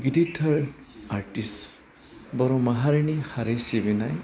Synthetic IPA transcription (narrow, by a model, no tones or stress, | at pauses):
ɡiditʰaɹaɾʈis | bɔɾumaɦaɾinihaɾesibinaj